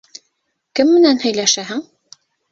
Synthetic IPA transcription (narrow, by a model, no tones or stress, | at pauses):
kɘmːɘ̆nænhɵ̆jlæʃæɦɘŋ